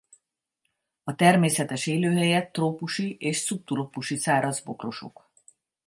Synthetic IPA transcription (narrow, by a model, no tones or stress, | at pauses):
ɒt̪ɛrmeːsɛt̪ɛʃeːløːɦɛjɛt̪ːroːpuʃieːʃsup̚t̪uɾo̞puʃisaːɾɒzbo̞kro̞ʃo̞̰k